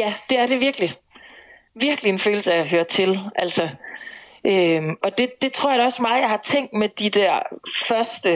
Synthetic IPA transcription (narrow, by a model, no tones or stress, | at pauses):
jæd̥e̝æɐɾe̝ʋiɐɡ̥li | ʋiɐɡ̥lie̝nføːl̩səæɦøːɐt͡sʰe̝lʔæl̰sɒ | ʔømɒ̽d̥e̝d̥e̝t͡sʰʁo̝ɐ̰jɑɒ̽smɑ̈ːðˠjɑ̈ɪhɑ̈t͡sʰeŋ̰d̥med̥id̥æɐ̰fɶɐsd̥ə